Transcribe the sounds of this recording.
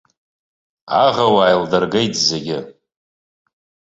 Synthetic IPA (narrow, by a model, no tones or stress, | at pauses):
aʁawaːjldarɡejtʼʰzeɡʲɪ